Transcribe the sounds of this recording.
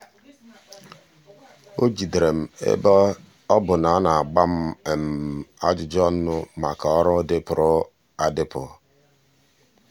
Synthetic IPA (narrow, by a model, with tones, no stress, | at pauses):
o˦d͡ʒi˨dɾe˨m̩˨ḛ˦ | ɔ˦bʊ˨na˨˦na˨a˨ɡ͡ba˦m̩˦e˨m̩˨a˦d͡ʒʊ˨d͡ʒɔ˦n̩˦nʊ˦ma˨ka˨ɔ˦ɾɔ˦dɪ˦pʊ˨ɾʊ˦ | a˦dɪ˦pʊ˨